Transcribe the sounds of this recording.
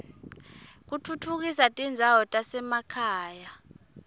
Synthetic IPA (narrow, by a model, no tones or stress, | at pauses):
k̬utʰutʰuk̬isatʼind͡zʱawɔtʼasɛmakʰaːja